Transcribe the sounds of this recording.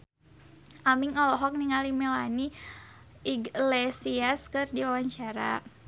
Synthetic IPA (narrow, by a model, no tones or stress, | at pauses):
ʔamiŋɔlɔɦɔk̚niŋalimɛlani | iɡlesiaskɨrdiawaɲt͡ʃaɾa̰